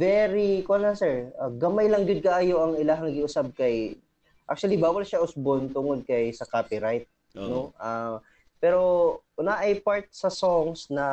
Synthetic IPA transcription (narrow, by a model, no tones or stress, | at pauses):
vɛɾikolnɐsɛɹɐɡɐmajlɐŋɡʊd̪̚kɐʔaːjoʔɐŋɪlaɦɐŋɐɡiʔʊsab̚kɐj | ʔa̰k̚t͡ʃuɐlibaːwɐlʃaʔʊsbont̪uŋolkɐjsɐkaːpiɾajt̪̚ | noʔɐ | pɛːɾo̞ʔʊnaʔɐjpaɹt̪̚sɐsoŋsnɐ